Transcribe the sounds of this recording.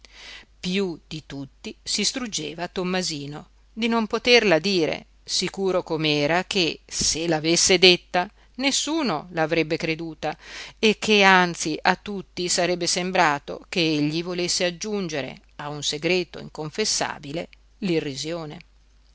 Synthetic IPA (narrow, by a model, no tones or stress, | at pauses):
pjud̪̥it̪ut̪ːisist̪ɾud͡ʒːeːvaːt̪ːomːaziːno | d̪inompot̪erlad̪iːɾḛ | sikuːɾokomeɛːɾakʰeselaːvesːed̪et̪ːa | nesːuːnolaːvɾɛbːekɾed̪uːt̪aekːeant̪siʔat̪ːut̪ːisaɾɛbːesembɾaːt̪o̰keeʎːivolesːead͡ʒːund͡ʒeɾḛ | aunseɡɾeːt̪o̰ḭŋkoɱfesːa̰ːbile | lirːizjoːne